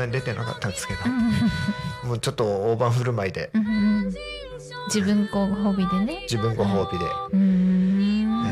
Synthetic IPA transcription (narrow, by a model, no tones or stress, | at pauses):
aɲd̪e̞t̪e̞naka̰t̪ːaɾat͡sɨ̥ket̪a | moːt͡ɕo̞t̪ːooːbãɰ̃ɸɯ̟ɾɯ̟maid̪e̞̰ɯ̃ɯ̃ | d͡ʑibɯ̃ŋkoɦoːbʲid̪e̞ned͡ʑibɯ̟̃ŋɡoɦo̞ːbʲid̪e̞̰ɯɯ̃